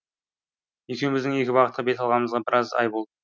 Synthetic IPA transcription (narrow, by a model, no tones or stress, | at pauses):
je̞kʲe̞wɪmɪzd̪ɪŋe̞kʲɪbɑqət̪̚qɑbe̞t̪ɑlˠʁɑnəməzʁɑbɪɾɑzɑ̰jbolˠd̪ə